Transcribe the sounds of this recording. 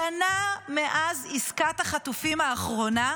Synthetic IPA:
anameʔaziskat̪aχatufimaːχʁo̞na

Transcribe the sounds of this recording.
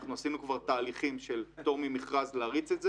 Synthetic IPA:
χnuasinukvaʁt̪aːliχimʃelt̪o̞ʁmimiχʁazlaːʁitt͡setz

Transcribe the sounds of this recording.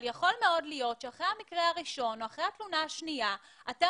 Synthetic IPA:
ljaχo̞lme̞o̞dlijo̞tʃeaχʁehamikʁehaʁiʃo̞noaχʁehat̪lunaaʃnija | ate

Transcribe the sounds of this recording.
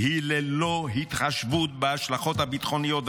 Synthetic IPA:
hileloɦit̪χaʃvut̪̚beaʃlaχo̞t̪habit̪χo̞nijot̪

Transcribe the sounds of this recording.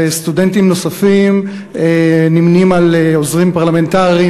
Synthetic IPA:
est̪udentimno̞safim | enimnimaleozʁimpaʁlame̞nt̪aʁii

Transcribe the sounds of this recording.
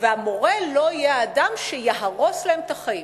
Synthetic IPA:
veamo̞ʁelo̞jead̪amʃejaɦaʁo̞sleemt̪aχaim

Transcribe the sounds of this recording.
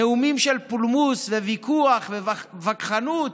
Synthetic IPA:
eumimʃelpulmusvevikʰuaχvevavakχanut̪

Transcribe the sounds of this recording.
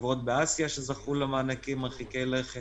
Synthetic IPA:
vʁo̞t̪̚beasijaʃezaχulamaːnakimːaχikeleχ

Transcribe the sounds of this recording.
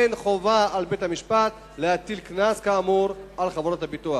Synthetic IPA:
enχovaalbetamiʃpat | leatilknaskaːmuɾalχavoɾothabitua

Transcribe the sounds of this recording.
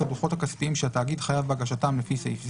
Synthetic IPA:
aduχo̞takaspiimʃeataːɡid̪χajavbaɡaʃatamlefiseifz

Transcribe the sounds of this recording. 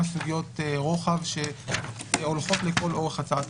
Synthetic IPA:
asuɡijo̞tʁo̞χavʃe̞ | olχo̞tleko̞lo̞ʁeχat͡sat

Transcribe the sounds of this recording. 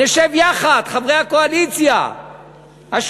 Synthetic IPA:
eʃevjaχad̪χavʁejhakoalit͡sja̰ | haʃ

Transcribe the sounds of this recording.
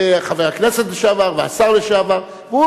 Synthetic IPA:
χaveʁaknɛsɛtlɪʃavaʁvɪa̰saʁlɪʃavaʁ | vɪu

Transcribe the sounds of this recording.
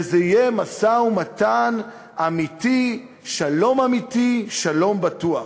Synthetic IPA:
ezeijemasaumatan | amiti | ʃalo̞mamitiʃalo̞mbatuaχ

